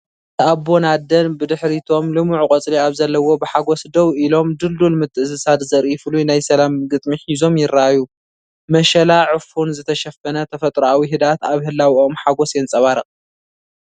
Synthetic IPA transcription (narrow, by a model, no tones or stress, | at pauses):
t̪ʰɨʔabːonad̪ɐnbɨd̪ɨħɾit̪ʰo̞mlɨmuʕukʼɐt͡sʼliaβzɐlːɐwo̞bɨħaɡo̞sd̪ɐwʔilo̞md̪ɨld̪ulmɨt̪ʰːɨɨsɨsat̪zɐɾʔifɨlujnajsɐlamɡɨt̪ʼmiħizo̞mjɪraʔaju | mɐʃɐlaʕɨfunzɨt̪ʰɐʃɐfɐnɐt̪ʰɐfɐt̪ʼɾoawiɦɨd̪at̪aβhɨlːawiʔo̞mħaɡosjɛnt͡sʼɐβaɾɐqʼ